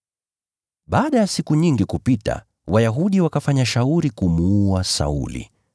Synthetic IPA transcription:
ɓaːɗajasikuɲiŋɡikupita̰ | wajaɦuɗiwakafaɲaʃauɾikumuuasa̰ṵlḭ

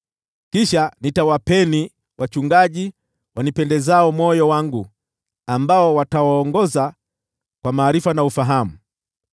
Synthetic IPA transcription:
kiʃanitawapɛni | wat͡ʃuŋɡaʄi | wanipɛndɛzaɔmɔjɔwaŋɡu | ambaɔwatawaːŋɡɔza | kwamaːɾifanaufaɦamu

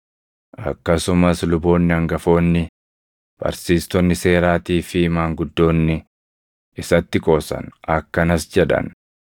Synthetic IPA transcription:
ʔɐ̰kːɐsʊmɐslʊbo̞ːnːɪɐŋɡɐfo̞ːnːɪ | b̥ɐ̰ɾsiːst̪ɔnːɪse̞ːɾaːt̪iːfɪmaːŋɡʊd̪ːo̞ːnːɪ | ʔɪsɐt̪ːɪkʼo̞ːsɐ̰nʔɐkːɐnɐsd͡ʒɛᶑɐ̰n

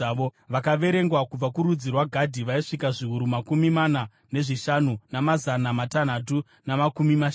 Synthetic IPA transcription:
ʋoʋakaʋe̞ɾe̞ŋɡwakub͡vakuɾud͡zirwaɡʱadʱiʋaiʂikaʐiɦuɾumakumimana | ne̞ʐiʃanunamazanamatan̤at̬u | namakumimaʃ

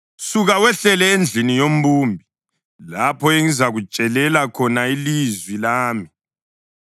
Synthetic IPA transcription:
suɣawɛɬɛlɛend͡ɮʱinijom̩buːmbʱi | lapʰɔeŋizaɣu̥t͡ʃʼɛlɛlakʰɔnailizwilaːmi

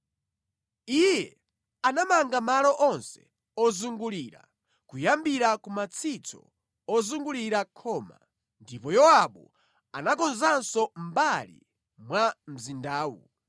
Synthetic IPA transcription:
ijɛ | anamaŋɡamalɔʔɔnsɛ̥̰ | ɔzuŋɡuliɾa̰ | kujambiɾakumat͡sʰit͡sʰɔ̰ | ɔzuŋɡuliɾakʰɔːma̰ | ndipɔjɔwaɓu | a̰nakɔnzansɔmbalḭ | mwam̩zindaːwṵ

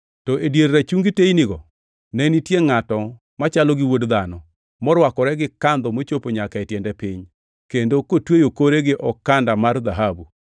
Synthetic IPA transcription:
tɔʔedjeɾːat͡ʃuŋɡiteiniɡɔ | nɛnitjeŋatɔ | mat͡ʃalɔɡɪwodd̪anɔ | mɔɾwakɔɾɛɡɪkand̪ɔmot͡ʃopoɲakaetjɛndɛpɪɲ | kendokotwejokoɾeɡɪʔɔkandamard̪aɦabu

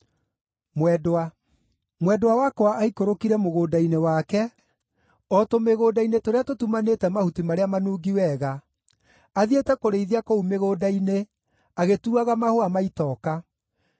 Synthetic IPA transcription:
mwɛdoa | mwɛdowawakɔaaikoɾokiɾɛmoɣoːdainewaːkɛ | ɔtomeɣoːdainetoɾeatotumanetɛmahutimaɾeamanuːɡiwɛɣa | aðietɛkoɾeiðiakoumeɣoːdaine | aɣetuaɣamahoamaitɔka

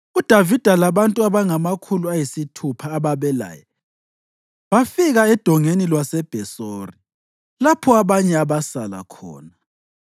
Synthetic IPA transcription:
ud̥ʱavid̥ʱalaβantʼuaβaŋamakʰuluajisitʰupʰaːβaβɛla̰ːjɛ | βafiɣaɛd̥ʱɔŋenilwasɛb̥ʱɛsoːri | lapʰɔaβaɲɛaβasala̰kʰɔ̰ːna

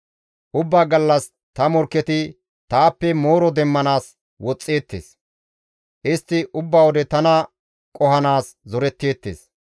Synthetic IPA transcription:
ʔʊbːaːɡɐlːɐs | t̪ɐmɔɾkːɛt̪ɪ | t̪aːpːɛmo̞ːɾɔd̪ɛmːɐnaːs | wɔt͡sʼːe̞ːt̪ːḛːs | ʔɪst̪ːɪʔʊbːawɔd̪ɛt̪ɐnɐ | kʼɔhɐnaːszɔɾɛt̪ːe̞ːt̪ːḛːs

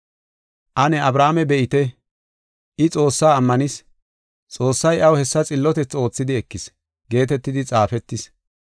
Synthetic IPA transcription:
ʔɐnɛɐbɾaːmɛbɛʔɪt̪ɛ | ʔɪt͡sʼo̞ːsːaːmːɐnɪs | t͡sʼo̞ːsːɐjʔɐwhɛsːɐt͡sʼɪlːɔt̪ɛt͡sːo̞ːt͡sːɪd̪ɪɛkːɪs | ɡe̞ːt̪ɛt̪ːɪd̪ɪt͡sʼaːfɛt̪ːɪs

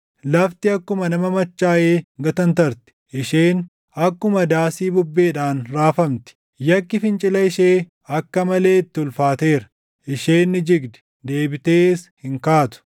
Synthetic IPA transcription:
lɐft̪ɪɐkːʊmɐnɐmɐmɐt͡ʃːaːʔeːɡɐt̪ɐnt̪ɐɾt̪ɪ̥ʔɪʃeːn | ɐkːʊmɐd̪aːsiːbʊbːe̞ːᶑaːnɾaːfɐmt̪ɪ̥ | jɐkːɪfɪnt͡ʃʼɪlɐɪʃeː | ɐkːɐmɐle̞ːt̪ːɪʊlfaːt̪e̞ːɾɐ̥ | ʔɪʃeːnːɪd͡ʒɪɡd̪ɛ̥ | d̪e̞ːbɪt̪eːshɪŋkaːt̪ʊ̥

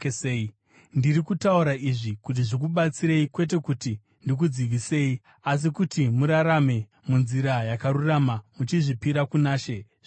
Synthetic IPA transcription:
eeːi | ndiɾikutauɾaiʐikut̬iʐik̬uɓat͡siɾe̞ikwe̞t̬e̞kuti | ndik̬ud͡ziʋise̞ːi | as̬ikutimuɾaɾame̞ | munziɾajakaɾuramamut͡ʃiʐipiɾakunaːʃe

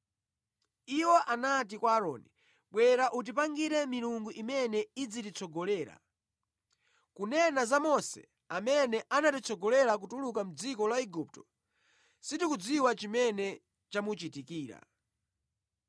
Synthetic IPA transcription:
iwɔʔanat̬ikwaːɾɔ̰ːni | ɓwɛɾaʔut̬ipaŋɡiɾɛmiɾuŋɡuʔimɛnɛid͡zitit͡sʰɔɡɔlɛːɾa̰ | kunɛnazamɔsɛ̰ | amɛnɛʔanatit͡sɔɡɔlɛɾak̬utulukam̩d͡zikɔlaiɡup̚tɔ̥ | sitikud͡ziwat͡ʃimɛnɛ | t͡ʃamut͡ʃitikiːɾa̰

